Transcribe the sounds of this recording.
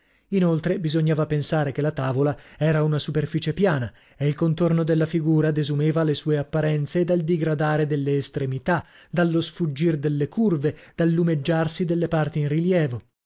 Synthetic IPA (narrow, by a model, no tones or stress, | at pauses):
inolt̪ɾebizoɲːaːvapensaːɾekelːat̪aːvolaɛːɾaunasuperfit͡ʃepjaːna | eilkont̪ornod̪elːafiɡuːɾad̪ezumɛːvalesuːeapːaɾɛnt̪seːd̪ald̪iɡɾad̪aːɾed̪elːeːst̪ɾemit̪a | d̪alːosfud͡ʒːird̪elːekurved̪̥alːumed͡ʒːarsid̪elːepart̪iinriljɛːvo